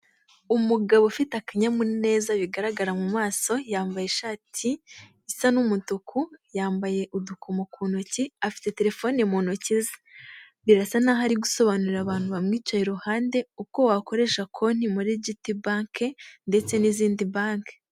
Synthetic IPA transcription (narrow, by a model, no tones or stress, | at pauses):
umuɡaβofitakaɲamune̞ːzaβiɡaɾaɡaɾamumaːso̞jaːmbajeʃaːtʰi | isanumutukʰujaːmbaje̞ʔudukumokuːnociafi̥te̞te̞ɾe̞fo̞ːnemoːnociza | βiɾasanaːɦaɾiɡuso̞βanuɾiɾaβaːn̥huβamŋiːt͡ʃojeɾuhaːnde̞uko̞wako̞ɾe̞ʃakʰo̞n̥imuɾiɟitibaːŋkʰende̞t͡se̞niziːndibaːŋke̥